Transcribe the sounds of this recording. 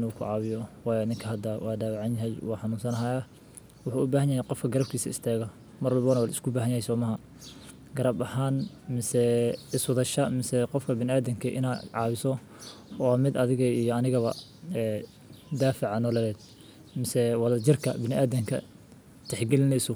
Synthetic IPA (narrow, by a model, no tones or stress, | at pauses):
nukʰʊʕɑːβɪjɔwɑːjɔɪðɪŋkʰɐhɐd̪awʔɑːd̪aːwʕɑnjɐɦɛjwɑːħɑnuːnsɐnɦaːja | wʊħuːʊbaːhɐnjɐhɛjqɔfkʰɐɡɐɾɐb̚kʰiːsɐ̰ɪ̰st̪ʰaːɣɐ | mɐrwɑlbɐnɐwaːlɪskʰʊbaːɦɐnjɐhɛjsɔːmɐɦɐ | ɡɐɾɐbɐhaːn | mɪsɛɪswɑðɐʃɐmɪsɛqɔfkʰɐbɪnɪaːðɪŋkʰɐʔɪ̰naːʕɑːwɪsɔ | ɔːmɪd̪ɐðɪɣɐijɔɐnɪɣɐβɐ̰ | ɛː | d̪aːfɪʕɑnɔlɛlɛːd̪̚ | mɪsɛwɑðɐd͡ʒɪrkʰɐ̰bɪnɪʔaːðɛŋkʰɐ̰ | t̪ʰɛħɡɛlɪnɛjsʊ